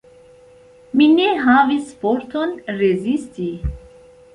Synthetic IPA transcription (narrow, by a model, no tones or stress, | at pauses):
minɛɦãvispɔɾt̪ʰɔnrezist̪ʰi